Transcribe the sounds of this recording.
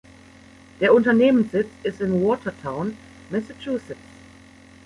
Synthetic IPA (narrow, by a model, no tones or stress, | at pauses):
d̥eːɐʊntɐneːmənsz̥ɪt͡sɪstɪnwɔːtʰɐtʰaʊn | mɪsət͡ʃʰuːsɪs